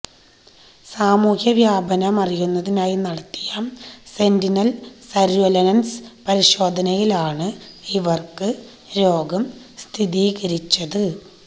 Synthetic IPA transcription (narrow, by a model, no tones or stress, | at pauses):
saːmuːhjɐʋjaːbɐnɐmɐrijunːɐðinaːjinɐɽɐt̪ːi̥jaːmse̞ndinɐlsɐɾuɐlɐnɐnspɐɾiɕo̞ːd̪ʱɐnɐjilaːɳɨiʋɐrkɨ | ɾo̞ːɡɐm | st̪ʰiðiːɣɐɾit͡ɕːɐðɨ